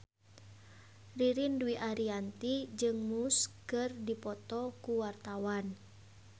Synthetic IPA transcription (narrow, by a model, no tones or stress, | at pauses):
riɾinduiʔaɾiant̪id͡ʒɨŋmuskɨrdipɔt̪ɔkuwart̪awan